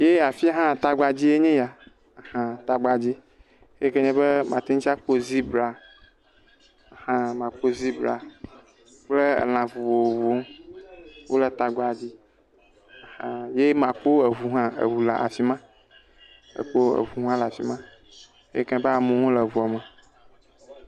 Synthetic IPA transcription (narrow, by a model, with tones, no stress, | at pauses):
je˦a˨fi˦ɦã˦˨t̪a˦ɡa˨d͡ʑi˦e˦ɲẽ˦ja˨ | hã˦t̪a˨ɡ͡ba˨d͡ʑi˦ | e˦ke˦ɲɛ̃˦be˦mã˨t̪i˦ŋ˦t͡ʃa˦k͡po˦zi˦bla˨ | hã˦mã˨k͡po˦zi˦bɾa̰˨ | k͡plḛ˦˨l̃ã˨vu˨wo˨wo˨vu˨o˦m˦ | wʔo˦lɛ˨t̪a˨ɡ͡ba˨d͡ʑi˦˨ | hã˨je˦mã˨k͡po˦e˨vu˨ɦã˦ḛ˨wu˨la˨ʔa̰˨fi˦mã˦ | ḛ˨k͡po˦ḛ˨vu˨ɦũ˦ã˦la˨fḭ˨mã˦ | ḛ˦kɛ̃˦bɛ˦a˨mũ˨ŋũ˦lə˨vu˨a˨mə˨